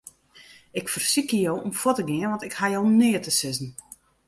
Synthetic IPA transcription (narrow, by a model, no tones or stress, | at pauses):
ɪkfərsikəjowɔmfwotəɡɪənʋɔntɪkhajownɪətəsɪzən̩